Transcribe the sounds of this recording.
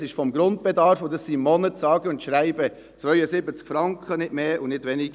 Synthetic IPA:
sɪʃfɔmɡɾʊndb̥ɛdɑɾfʊdɑsːimɔnətsɑːɡəʊntʃɾæɪbə | t͡svœʏəsɪbət͡skfɾɑŋkχənɪdmeːʔʊnɪdʋɛniɡ

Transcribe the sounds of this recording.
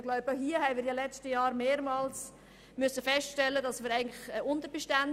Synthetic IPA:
ɡ̥lɔʊbəɦiəhɛɪmiːɾjɑlɛt͡stəjɑːɾmeːɾmɑːls | mʏsːəfɛstʃtɛlːədɑsmiːɾæɪɡəŋlɪχʊntəɾbɛʃtæn

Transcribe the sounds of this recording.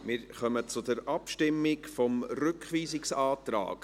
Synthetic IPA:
mɪɾχœmət͡sʊd̪əɾʔɑpʃtɪmːɪkfɔmrʏkχʋiːzɪksɑːt̪ɾɑ̰ːk

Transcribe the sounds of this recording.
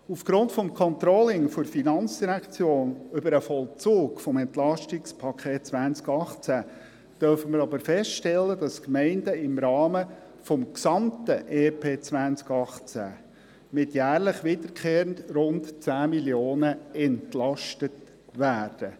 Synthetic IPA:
ufɡ̥ɾʊntfɔmkʰɔnt̪ɾɔlɪŋfɔɾfinɑnt͡sd̥iɾækt͡sjoːnʏbəɾəfɔlt͡suːɡfɔmɛntlɑʃtɪkspʰɑkʰχeːt̚t͡sʋænt͡skɑχt͡sæ | d̥œɾfəməɾɑbəɾfɛstʃtɛlːəd̥ɑskmɛɪndəɪmɾɑːmə | fɔmksɑmtəʔeːpʰeːt͡svænt͡skɑχt͡sæ̰ | mɪtjæːɾləχʋɪdəɾkʰχeːɾəntrʊntt͡sæːmiljoːnəɛntlɑʃtət | ʋæːɾd̥ə

